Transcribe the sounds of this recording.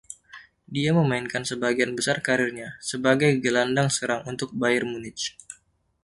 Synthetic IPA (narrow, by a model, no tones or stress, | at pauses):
diaməmainkansəbaɡianbəsarkaɾɪrɲasəbaɡajɡəlandaŋsəɾaŋunt̪ʊk̚bajɪrmunɪtt͡ʃ